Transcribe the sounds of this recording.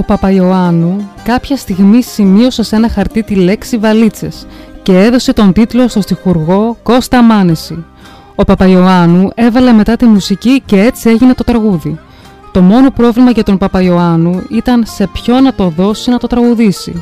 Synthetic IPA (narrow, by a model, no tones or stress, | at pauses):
o̞pɐpɐio̞ɐnukɐpçɐst̪iɣmisimio̞sese̞nɐxɐɾt̪it̪ile̞ksivɐlit͡se̞sce̞eðo̞se̞t̪o̞nd̪it̪lo̞st̪o̞st̪ixuɾɣo̞ko̞st̪ɐmɐnesi | o̞pɐpɐio̞ɐnue̞vɐle̞me̞t̪ɐt̪imusicice̞e̞t͡sie̞ʝine̞t̪o̞t̪ɾɐɣuði | t̪o̞mo̞no̞pɾo̞vlimɐʝɐt̪o̞mpɐpɐio̞ɐnuit̪ɐnse̞pço̞nɐt̪o̞ðo̞sinɐt̪o̞t̪ɾɐɣuðisḭ